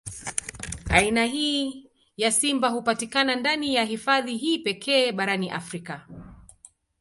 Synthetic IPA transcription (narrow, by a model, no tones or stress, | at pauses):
ainaɦiː | jasimbaɦupatikanandanijaɦifaðiɦiːpɛkʰɛːɓaɾaniʔa̰fɾika